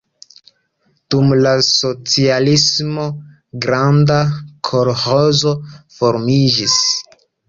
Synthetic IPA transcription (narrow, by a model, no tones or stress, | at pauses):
d̥umlaso̞t͡sialismo̞ | ɡɾandakʰo̞ɾhozo̞fo̞ɾmid͡ʒis